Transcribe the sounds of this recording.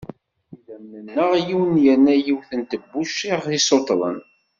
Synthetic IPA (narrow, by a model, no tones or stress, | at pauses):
ilæmːənːəʁjiwnjənːæjiwθənt̪əbːuʃiʁθisot̪ˤlˤə̰n